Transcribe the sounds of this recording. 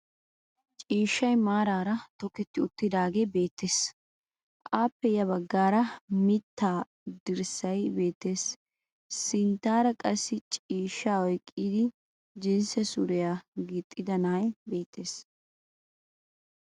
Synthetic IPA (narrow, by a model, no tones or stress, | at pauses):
t͡ʃʼiːʃːɐjmaːɾaːɾɐt̪ɔkɛt̪ːɪʊt̪ːɪd̪aːɡe̞ːbe̞ːt̪ːeːs | ʔaːpːɛjɐβɐɡːaːɾɐmɪt̪ːaː | d̪ɪɾsɐjbe̞ːt̪ːe̞ːs | sɪnt̪ːaːɾɐkʼɐsːɪt͡ʃʼiːʃːaːɔjkʼːiːd̪ɪ | d͡ʒɪnsɛsʊɾɛjaːɡɪt̪ʼːɪd̪ɐnaːjbe̞ːt̪ʰːe̞ːs